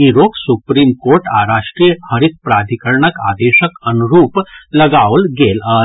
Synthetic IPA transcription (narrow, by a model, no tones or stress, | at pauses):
iɾoːksupɾiːmkoːɾʈa̰ɾaːʂʈɾijəhəɾit̪̚pɾaːd̪ʱikəɾɳəka̰ːd̪eːʃəkənuɾuːplɐɡaːʋlɡeːla